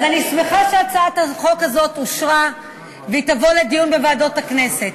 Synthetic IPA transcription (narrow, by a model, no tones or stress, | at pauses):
azanismeχaʃeat͡saat̪haχo̞kazo̞t̪oʃʁa | veit̪avo̞led̪ijunbevaːdo̞takne̞se̞t